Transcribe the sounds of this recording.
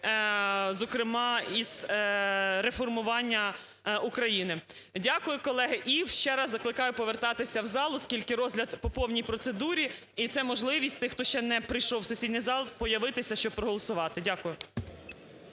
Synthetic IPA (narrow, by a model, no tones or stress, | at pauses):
zɔkɾɪmɑiz̥ | ɾefɔrmʊʋɑnʲːɐ | ukɾɐjinɪ | dʲakʊjʊkɔlˠɛɦɪʔiwʃt͡ʃɛɾɑzːɐklˠɪkɑjʊpɔʋert̪ɑt̪ɪsʲɐwzɑlˠʊskʲilʲkɪɾɔzʲlʲɐd̪pɔpɔwnʲijpɾɔt̪sed̪uɾʲi | it̪sɛmɔʒlˠɪʋʲisʲtʲt̪ɪxt̪ɔʃt͡ʃɛnɛpɾɪjʃɔwsʊsʲidʲnʲijzɑlˠpɔjɐʋɪt̪ɪsʲɐʃt͡ʃɔb̚pɾɔɦɔlˠɔsʊʋɑt̪ɪdʲakʊjʊ